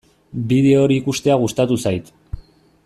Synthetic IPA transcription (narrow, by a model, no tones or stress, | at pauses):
biðe̞oɾiːkust̪e̞aɣ̞ust̪at̪usajt̪